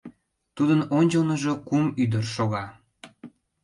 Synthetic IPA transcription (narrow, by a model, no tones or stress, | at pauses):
t̪ud̪ənonʲt͡ɕəlnəʒo̽kumyd̪ərʃoɣɑ